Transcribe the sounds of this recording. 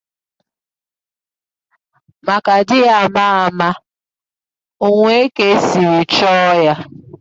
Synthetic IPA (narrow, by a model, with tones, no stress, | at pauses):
ma˨ka˨dɪ˦a˨ma˦a˨ma˦ | o˨ŋʷe˦e˦ke˦si˨ɾi˨t͡ʃɔ˦ja˦